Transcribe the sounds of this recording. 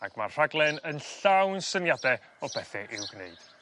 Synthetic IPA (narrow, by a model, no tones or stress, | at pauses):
aɡ̥marr̥aɡlˠɛnənɬawnsənjadɛ | ɔbɛθɛʔɪwɡnḛɨd̥